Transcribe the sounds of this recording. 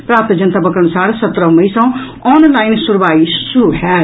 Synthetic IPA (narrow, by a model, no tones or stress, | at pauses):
pɾaːp̚t̪d͡ʒɐnt̪abɐkɾəɽ̃saːɽsɐt̪ɾəmɐisãw̃ | ɔːnlaːinsuɾbaːisuɾuɦɛː